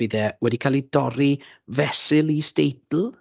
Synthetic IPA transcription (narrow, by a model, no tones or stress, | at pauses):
ɪðɛwɛdikʰaːlˠidɔɾi | vɛsɪlˠistejtl̩ˠ